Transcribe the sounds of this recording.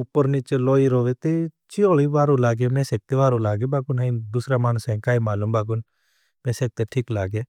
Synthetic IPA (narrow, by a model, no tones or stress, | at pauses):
ʊpːəɾnit͡ʃloːiɾoːʋeːt̪eː | t͡ʃioːliːʋaːɾõːlaːɡemɛ̃ːseːk̚t̪eːʋaːɾõːlaːɡeːbaːkʊnãĩd̪ʊsɾaːmaːnsɛ̃ːkaːiːmaːluːmbaːk̬ʊn | mɛ̃ːseːk̚t̪eʈʰiːklaːɡeː